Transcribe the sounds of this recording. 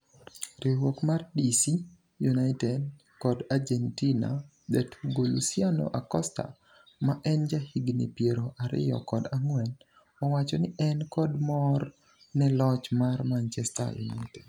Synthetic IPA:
ɾiwokmardisi | junaɪtɛd | kɔdard͡ʒɛntina̰ | dɛtʰuɡolṵsiano̰ʔakɔsta̰ | maʔɛnd͡ʒahiɡnḭpjeɾoʔaɾɪ̰jɔ̰kɔdaŋwɛn | ɔwat͡ʃɔnɪʔɛnkɔdmɔr | nɛlɔt͡ʃmarmant͡ʃɛsta̰jṵna̰ɪtɛd

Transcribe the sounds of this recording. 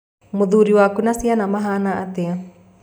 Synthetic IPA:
mud̪uɾiwakunasianamaɦanaʔat̪ea

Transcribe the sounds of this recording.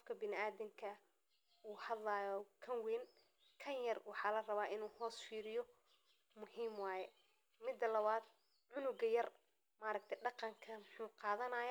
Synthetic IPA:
qɔfkʰɐbɪnɪaːðɪŋkʰɐ | uːhɐd̪lɐːjɔkʰɐnwin | kʰɐnjɐrwɑħɑːlɐrɐβaːʔɪnuːhɔːsfiːɾɪjɔ | mʊhiːmwɑːjɛ | mɪd̪ːɐlɐβaːd̪ | ʕʊnʊɡɐjɐr | maːɾɐk̚t̪ʰɛɖɑqɑŋkʰɐmʊħuːqɑːðɐnɐːjɔ

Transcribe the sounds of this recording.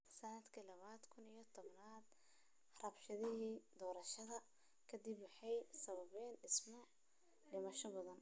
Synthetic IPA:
sɐnɐd̪kʰɐlɐβaːd̪kʰʊnijɞt̪ʰɔβnaːd̪ | rɐbʃɐðɪɦiːd̪ɔːɾɐʃɐðɐ | kʰɐd̪ibwɑħɑjsɐβɐβɛːnɪsmɐʕ | ɖɪmɐʃɔbɐðɐn

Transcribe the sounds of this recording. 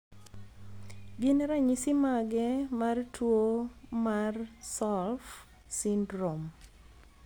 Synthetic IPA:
ɡɪnɾaɲisimaɡɛmartʰwomarsɔlf | sindɾom

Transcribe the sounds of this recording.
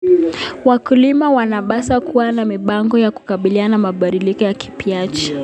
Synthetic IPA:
wakulimawanaɓasakuwanamiɓaŋɡɔjaku̥kaɓilianamaɓaɗilikɔjaki̥piat͡ʃi̥

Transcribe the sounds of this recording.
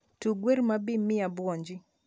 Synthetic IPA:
tuɡweɾmabimɪabwɔɲd͡ʒɪ

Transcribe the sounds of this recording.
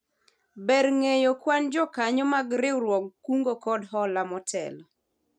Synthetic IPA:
bɛrŋejokwand͡ʒɔkaɲɔmaɡɾɪwɾwɔɡuŋɡokɔdɦɔlamɔtʰɛ̰lɔ

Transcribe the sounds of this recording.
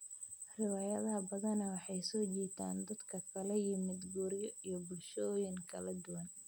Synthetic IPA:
rɪwɑːjɐðɐɦɐbɐðɐnɐwɑħɑjsɔːt͡ʃɛːt̪ʰa̰ːnd̪ɐd̪kʰɐkʰɐlɐjɪmɪd̪ɡuːɾjɔijɔbʊlʃɔːjɪŋkʰɐlɐd̪ʊwɐn

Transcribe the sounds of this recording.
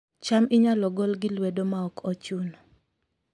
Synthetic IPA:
t͡ʃamɪɲalɔɡɔlɡɪlwɛdomaɔkʰɔt͡ʃunɔ

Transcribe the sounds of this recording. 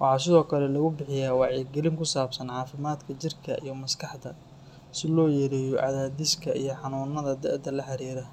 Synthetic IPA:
wɑħɑːsɪðɔːkʰɐlɛlɐɣʊbɪħɪjaːwɑʕiːɡɛlɪŋkʰʊsaːbsɐnʕɑːfɪmaːd̪kʰɐt͡ʃɪrkʰɐʔḭjɞmɐskʰɑħd̪ɐ | sɪlɔːjɛɾɛːjɔʕɑ̰ðaːdɪskʰɐʔijɞħɑnuːnɐðɐd̪ɛ̰ʕd̪ɐlɐħɑɾiːɾɐ

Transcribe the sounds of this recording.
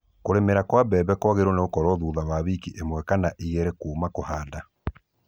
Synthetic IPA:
koɾemeɾakwabɛːβɛkwaɣeɾoneɣokɔɾɔðuːðaβaβikiʔemwɛkanaʔiɣeɾekuːmakohaːda

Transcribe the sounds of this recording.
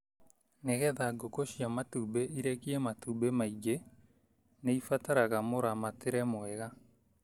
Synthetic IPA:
neɣɛðaɡokoʃjamatubeiɾekiɛmatubemaiɡe | neifataɾaɣamoɾamateɾɛmoɛɣa

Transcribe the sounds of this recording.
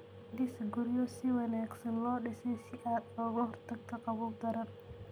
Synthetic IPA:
d̪ɪsɐɡʊɾjɔsɪwɑnaːɡsɐnlɔːɗɪsɛjsɪʔaːd̪ɔːɣɐhɔrt̪ʰɐɡt̪ʰɐqɑβuːb̚d̪ɐɾɐn

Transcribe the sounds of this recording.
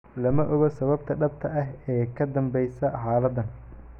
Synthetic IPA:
lɐmɐʔɔɣɐsɐβɐb̚t̪ʰɐɖɐb̚t̪ʰɐʔɐɦɛːkʰɐd̪ɐmbɛjsɐħaːlɐd̪ɐn

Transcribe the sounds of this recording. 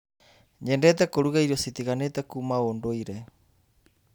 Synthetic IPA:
ɲɛndɛtakoɾuɣaiɾosit̪iɣanɛt̪akumaondoiɾɛ

